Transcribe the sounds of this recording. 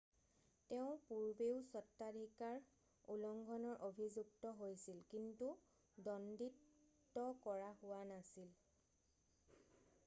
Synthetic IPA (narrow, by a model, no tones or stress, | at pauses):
teʊ̃puɹbeʊsɔtːadʱikaɹ | ulɔŋɡʱɔnɔɹʔobʱizuk̚tɔɦojsilkintu | dɔnditː | ɔkɔɹahʊwanasil